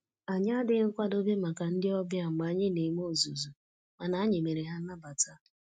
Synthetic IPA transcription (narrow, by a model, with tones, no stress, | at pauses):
a˨ɲa˦dɪ˨˦ŋ̩˦kʷa˦do˦be˦ma˨ka˨n̩˦dɪ˦ɔ˦bja˦ŋ͡m̩˨ɡ͡ba˨a˦ɲɪ˦ne˨˦m˦o˦˨zu˨zu˨ | ma˨na˨˦a˦ɲe˨me˨ɾe˨ɦa˦n̩˦na˦ba˨ta˦